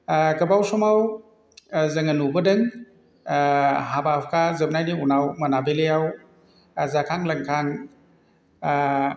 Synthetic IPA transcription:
ɡɐbawsɔmaw | zɐŋɐnubɐdɯŋ | ɦabapʰkʰazɯb̚najniunawmɐnabelejaw | zakʰaŋlɐŋkʰaŋ

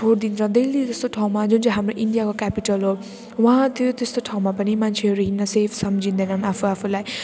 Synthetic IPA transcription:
oɾd̪inɾãd̪elid͡zest̪oʈʰaw̃mad͡ʒund͡ʒaɦamɾoʔiɳɖijakokɛpiʈəlɦo | wʌ̃ɦãt̪jot̪est̪oʈʰaũmapənimant͡ʃʰeɾiɦinːasepʰsɐmd͡ʒʱĩnd̪enanapʰuapʰulaj

